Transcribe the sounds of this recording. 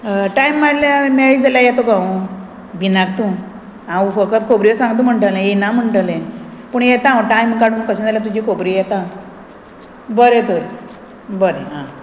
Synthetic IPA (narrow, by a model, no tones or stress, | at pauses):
ʈajmːalameɭid͡zaljajɛt̪oɡãũ | binaɡ̚t̪ũ | ãufəkət̪kʰobɾiəsãŋɡt̪̬ũm̤əɳʈəlẽenam̤əɳʈəlẽpuɳjɛt̪ãʈajmkaɽumukəsə̃d͡zaljat̪ud͡ʑikʰobɾijɛt̪ã | bəɾẽt̪uɾ | bəɾḛ̃ɦã